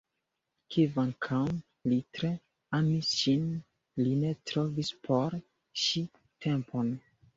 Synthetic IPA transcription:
kʰivaŋkʰam | litɾe̞ | amisʃin | line̞tɾo̞vispʰoɾ | ʃi | tʰe̞mpʰon

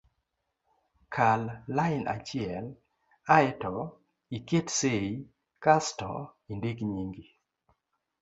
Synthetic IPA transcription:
kʰalːaɪnʔa̰t͡ʃɪɛl | aɛtɔ | iketsei | kastɔ̰indekɲiŋɡi

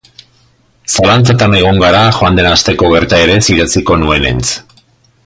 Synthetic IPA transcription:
salant͡sat̪ane̞ɣ̞o̞ŋɡaɾaxoand̪e̞nast̪e̞ko̞ɣ̞e̞ɾt̪ae̞ɾe̞siɾat͡siko̞nue̞nḛnt͡s

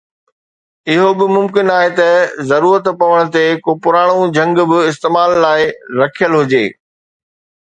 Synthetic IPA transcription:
ɪɦobɪmʊmkɪnaːɦet̪ɐzɐɾuːɾət̪pɐʋəɽ̃ʊt̪ekoːpʊɾaːɽ̃od͡ʑʱɐ̃ŋɡbɪɪs̬t̪eːmaːlːaːɪɾɐkʰijəlɦʊd͡ʑḛː

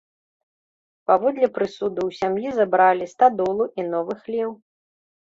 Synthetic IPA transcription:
pavɔd̪lʲɛpɾɨsud̪ɐwsʲamjizabɾalʲist̪ad̪ɔlˠuʔinɔvɨxlʲɛw

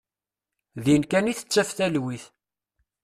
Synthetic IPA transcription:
ðinkæniθə̥t͡sːæfθælwiθ

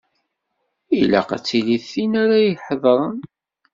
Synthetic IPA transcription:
ilæ̰qa̰t͡sːiliθinaɾajħəðˤɾˤən

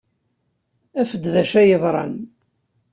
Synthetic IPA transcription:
æfəd̪ðæʃæjəðˤɾˤɑ̰n

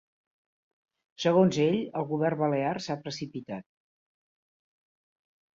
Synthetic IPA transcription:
səɣ̞onzeʎəlˠɣuβ̞ɛrβəlearsapɾəsipit̪at̪̚

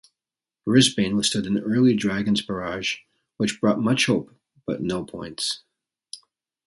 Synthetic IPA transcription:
ɹɪzbĩnwə̥stʊɾɨ̃nɜ˞lˠidɹæɡɨ̃n̩spə˞ɑʒ̥ | wɨt͡ʃb̥ɹɔt̚mʌt͡ʃhoʊp | b̥ʌ̰ʔⁿnoʊpʰɔ̰̃ɪ̃nts

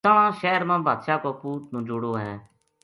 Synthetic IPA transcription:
əɽ̃ãːʃɛːɾmãːbʱaːd̪ʃaːkoːpuːʈ̚nũːd͡ʒʊɽoːɦɛ̰̃ː

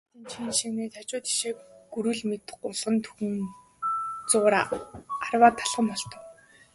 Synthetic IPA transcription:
t̪iːnt͡ɕʰinʃiŋneːt̪ʰat͡ɕʊːt̪i̥ʃeːɡuɾŭɮmet̪ʊɮʁə̆nt̪ʰɵxɘ̆n | t͡sʊːɾaarwaːt̪ʰːaɮʁə̆mpɔɮt̪ə̆k

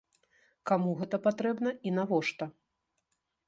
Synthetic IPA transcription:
kamuɣɛt̪ɐpat̪ɾɛbnɐinavɔʂt̪ɐ

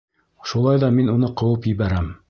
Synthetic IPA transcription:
ʃulˠɑjðɑminunɤqɤ̆wɤpjɘ̆βæɾæm

